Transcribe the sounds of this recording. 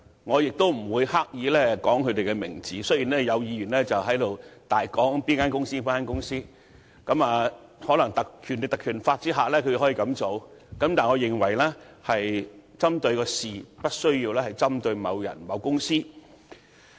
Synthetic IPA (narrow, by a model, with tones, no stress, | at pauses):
ŋɔː˨˧jɪ˨k̚t̪o˥wm̩˨˩wuː˨˧jhaː˥k̚jiː˨˧lɛː˥kɔː˨˥ŋkʰɵ˨˧t̪e˨jkɛ˧mɪ̰˨˩ŋt͡siː˨˥sɵ˥jiː˨˩nlɛː˥jɐ˨˧wjiː˨˧jyː˨˩nlɛː˥t͡sɐ˨wɦɐ˨˥jlo˨wt̪aː˨jkɔː˨˥ŋpiː˥nkaː˥nkʊ˥ŋsiː˥piː˥aː˥nkʊ˥ŋsiː˥ | kɐ˨˥maː˨hɔː˨˥lɐ˨˩ŋt̪ɐ˨k̚kʰy˨˩ne˨t̪ɐ˨˩kʰyː˨˩nfaː˧t̚t͡siː˥ɦaː˨˩lɛː˥kʰɵ˨˧˨hɔ˨˥i˧kɐ˨˧˥mt͡so˨˧wkɐ˨˥mt̪aː˨˩nŋɔː˨˧jɪ˨˩ŋwɐ˨˩jlɛː˥ | hɐ˨jt͡sɐ˥mt̪ɵ˧ɥkɔː˧siː˨pɐ˥t̚sɵ˥ɥjiː˧wlɛː˥hɐ˨jt͡sɐ˥mt̪ɵ˧ɥmɐ˨˧wjɐ̰˨˩nmɐ˨˧wkʊ˥ŋsiː˥